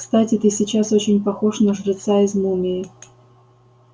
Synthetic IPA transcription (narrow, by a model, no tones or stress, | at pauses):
kst̪atʲɪt̪ɨsʲɪt͡ɕasot͡ɕɪnʲpɐxo̞ʂnəʐɾʲɪt̪saɪzmumʲɪɪ